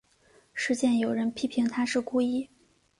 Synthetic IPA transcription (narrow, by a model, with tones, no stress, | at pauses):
ʂɻ̩˥˧t͡ɕjɛ˥˩njo˨˩ʊɻə˧˥npʰi˥pʰi˧˥ŋt̪ʰa˥ʂɻ̩˥˩ku˥i˥